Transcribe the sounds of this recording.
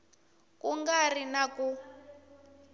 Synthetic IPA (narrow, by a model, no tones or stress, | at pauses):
kuŋɡarinaku